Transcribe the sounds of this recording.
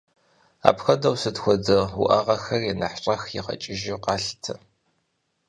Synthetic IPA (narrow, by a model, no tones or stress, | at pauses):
a̰ːpxɐdɐwsɨdxʷɔdɨʊ̰ʔɐʁɐxɐrjinɐħɕʼɐxjɪ̰ʁɐ̰t͡ʃʼɪʒiwqɑːɬtʰɐ